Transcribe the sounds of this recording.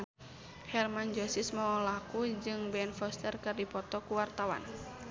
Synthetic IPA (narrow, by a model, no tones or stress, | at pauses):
hɛrmand͡ʒɔsismɔɔlakud͡ʒɨŋbɛnfɔst̪ərkɨrdipɔt̪ɔkuwart̪awa̰n